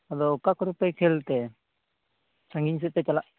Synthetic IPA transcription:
ad̪ɔkakɔɾupɛkʰɛlt̪ɛ | t͡ʃʰaŋɡiɲs̬ɛʔ̚pɛt͡ʃalaʔ

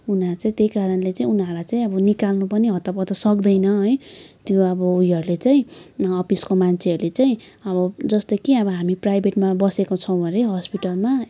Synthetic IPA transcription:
unʌt͡saĩt̪ejkaɾʌnlet͡saĩunʌrlajt͡saĩʌbʌnikalnupʌniɦʌt̪apʌd̪ʌsʌk̚d̪ʌjnʌɦʌjt̪joʌbʌuiɦʌɾulet͡saĩʌpiskomant͡sʰeɦʌɾulet͡saĩ | ʌβʌd͡zʌst̪okiʌβʌɦamiprajbʱeʈmabʌsekot͡sʰʌw̃bʱʌɾeɦʌspiʈʌlma

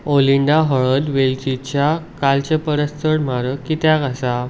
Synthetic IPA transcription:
oliɳɖaɦəɭəd̪ʋelt͡ɕit͡ɕjakalt͡ɕepəɾəst̪ʰəɽm̤aɾəkːit̪jakasa

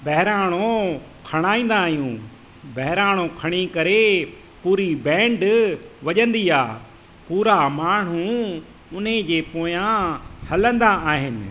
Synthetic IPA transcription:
bɐɦɪɾaːɽ̃o | kʰɐɽ̃aːĩːn̆d̪aːɦijũː | bɐɦɪɾaːɽ̤õkʰɐɽ̃ikɐɾe | puːɾibɛ̃ːɳɖʋɐʄə̃nd̪iːaː | puːɾamaːɳ̤̃ũ | ʊnɦẽd͡ʑeːpoːjãhɐlə̃nd̪aaːɦɪnɪ̆

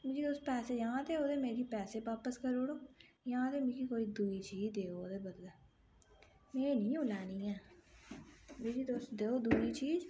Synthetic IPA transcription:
mɪd͡ʒiːd̪ost̪pɛːseːjãːt̪eːoːd̪eːmeːɾiːpɛːseːʋaːpəskəɾoːɽoː | jãːt̪eːmɪ̃d͡ʒiːkoːiːd̪uːiːt͡ʃiːzd̪eːoːd̪eːbəd̪lɛː | mẽːnĩːolɛːnĩːɛː | meːd͡ʒiːd̪ost̪d̪eːoːd̪uːiːt͡ʃiːz

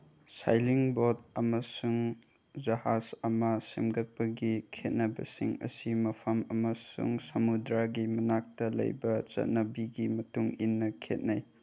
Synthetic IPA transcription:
sa̰jliŋbod̚ɐmɐsuŋ | d͡ʒɐhazɐmɐsemɡɐt̚pɐɡikʰet̚nɐbɐ̰siŋɐ̰simɐpʰɐmɐmɐsṵŋsɐmudɾaɡimɐnak̚tɐlɐ̰jbɐt͡ʃɐ̰t̚nɐbiɡimɐtuŋinːɐkʰḛt̚naj

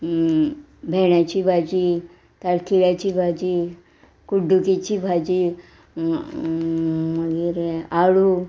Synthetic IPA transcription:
bʱɛɳjat͡ɕiːbʱad͡ʑi | t̪alkiljat͡ɕiːbʱad͡ʑi | kuɖukit͡ɕiːbʱad͡ʑi | məɡiːɾaɽu

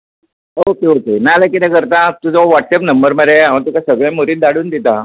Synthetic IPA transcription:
okeokenalakit̪akəɾt̪at̪ud͡zaʋaʈsɛpnəmbəɾməɾeãʋ̤ãt̪ukasəɡɭjãmoɾiːt̪̚d̪aɽuːnd̪it̪a

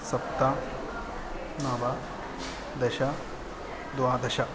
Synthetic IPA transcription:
sɐp̚t̪ːa | naːbɐ | d̪ɐʃɐ | d̪waːd̪ɐʃɐ

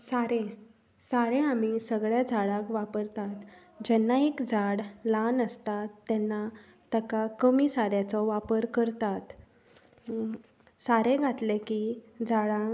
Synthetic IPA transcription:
saɾẽ | saɾẽamisəɡɭjad͡zʱaɭãkʋapəɾt̪at̪ | d͡ʑɛnːaekd͡zaɽlanəst̪at̪ːɛnːa | t̪əkakəmisaɾjat͡sɔʋapəɾkəɾt̪at̪ | saɾẽɡʱat̪lekid͡zʱaɭã

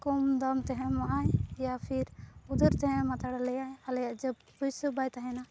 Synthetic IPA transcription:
kɔmd̪amt̪ɛɦɛ̃maʔajjapʰiɾud̪ɔɾt̪ɛɦɛ̃mat̪aɽalɛjajalɛjaʔd͡ʒəb̚ | pujsəbajt̪aɦɛna

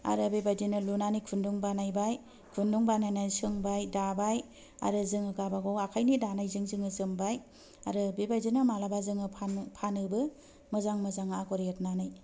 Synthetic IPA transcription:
a̰ɾɯbebajdinɯlunanikʰunduŋbanajbaj | kʰunduŋbanajnajsɯŋbajdabaj | a̰ɾɯzɯŋɯɡabaɡɔwakʰajnidanajzɯŋzɯŋɯzɯŋbaj | aɾɯbebajzinɯmalabazɯŋɯpʰanpʰanɯbɯ | mɯzaŋmɯzaŋaakɔɾjet̚nanɯj

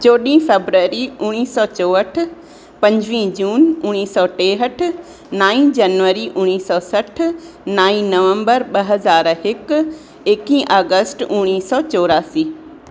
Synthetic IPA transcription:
t͡ɕoːɗĩːfeːbɾəːɾiʊɽ̃iːsɔːt͡ɕoːəʈ̆ʰ | pɐ̃ɲd͡ʑʋĩːd͡ʑuːnʊɽ̃iːsɔːʈeːɦəʈ̆ʰ | naːĩd͡ʑɐnʋəɾiʔʊñiːsɔːsɐʈʰ | naːĩnɐʋə̃mbəɾɓɐɦɐzaːɾɦɪk | ekĩːʔaːɡəsʈʊɽ̃iːsɔːt͡ɕoːɾaːsiː

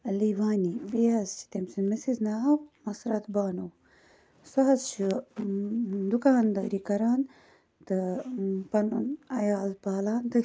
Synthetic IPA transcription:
ɐliʋaːnibijɐzt͡ʃʰi̥t̪emsinmisiznaːɦɐwmɐsɾɐt̪baːnuw | sɐɦɐzt͡ʃu | d̪ukaːnd̪ɐ̰ːɾikɐɾaːn | t̪ɨpɐnṵnɐjaːlpaːlaːnt̪ɐ

